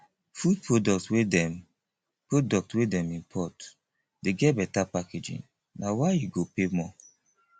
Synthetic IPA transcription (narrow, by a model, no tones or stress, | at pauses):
fud̚pɹodɔk̚tswedɛm | pɹodɔk̚twedɛ̃mĩmpʰɔt | deɡɛt̚bɛtapaked͡ʒḭ̃n | nawaɪjuɡopemɔ